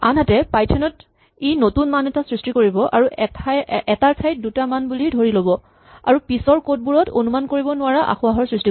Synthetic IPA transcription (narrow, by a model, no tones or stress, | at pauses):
a̰nɦatɛpajtʰɛnɔt | ejnotunmanɛtasɹistikoɹibɔʔa̰ɹutʰaɛtaɹpʰajt̚dutamanbulidʱoɹilobɔ | a̰ɹupisɔɹkot̚buɹɔto̰numankoɹibɔnʊaɹaʔa̰xuaɦɔɹsɹisti